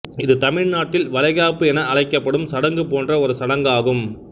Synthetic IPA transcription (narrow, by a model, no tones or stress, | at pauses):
ɪðɯt̪ɐmɪɻnaːʈːɪlʋɐlɐɪɣaːpːɯɛnɐʔɐɻɐɪkːɐpːɐɽɯmsɐɽɐŋɡɯpoːndrɐɔɾɯsɐɽɐŋɡaːɣɯm